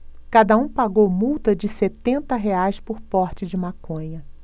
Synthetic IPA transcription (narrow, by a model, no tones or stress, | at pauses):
kad̪ɐũpaɡowmuwt̪ɐd͡ʒɪset̪ẽnt̪ɐɦeajspʊɾpɔɾt͡ʃɪd͡ʒɪmakõɲɐ